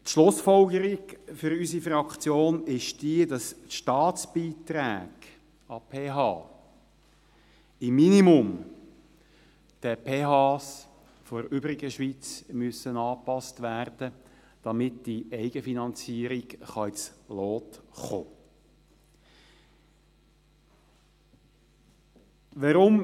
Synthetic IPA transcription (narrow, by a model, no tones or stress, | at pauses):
t̪ʃlʊsfɔlɡəɾiɡfʏɾysifɾɑkt͡sjoːnɪʃd̥iədɑsʃtɑːt͡sb̥iːt̪ɾæːɡ̥ | ɑpʰeːɦɑː | ɪmːinimʊm | d̥əpʰeːɦɑːs | fɔɾʏbɾɪɡəʃʋiːt͡smyəsənɑːpɑstʋærd̥ə | d̥ɑmɪtd̥iɛɪɡ̥əfinɑnt͡siːəɾiɡχɑɪt͡sloːtχoː | ʋəɾʊm